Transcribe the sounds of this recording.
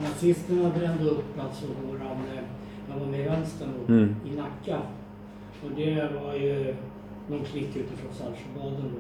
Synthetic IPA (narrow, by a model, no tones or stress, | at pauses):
nasɪst̪əɳabɾɛnːd̪əɵpːɔpʰlat̪sɔɡoːɾan | javamɛvɛnst̪əɳʊɪnakːa | ɔd̪ɛvaɾjɵ | nɔnkʰlɪkːʉ̟ːt̪ɪfɾɔnsa̰lʂəbɑːd̪ən